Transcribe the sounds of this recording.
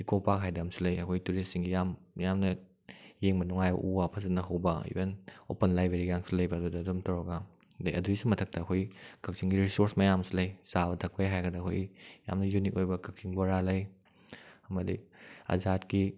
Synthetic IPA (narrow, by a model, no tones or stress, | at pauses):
ikopakɦajdamsulɐjɐkʰojtuɾessiŋɡijamjamnɐ | jeŋbɐnuŋajbɐ̰ʔuwapʰɐzɐnɐɦɐwbɐḭbenopɐnlajbeɾiɡaŋsulɐjbɐːdudɐːdomtawɾɐɡɐ | lɐjɐduisumɐtʰɐk̚tɐːkʰojkʰɐk̚t͡ʃiŋɡiɾisoɾsmɐjamsilɐjsabɐtʰɐk̚pɐjɦajɡɐdɐkʰo̰jja̰mnɐjunik̚ojbɐkʰɐk̚t͡ʃiŋboɾalɐj | ɐmɐdiɐ̰zatki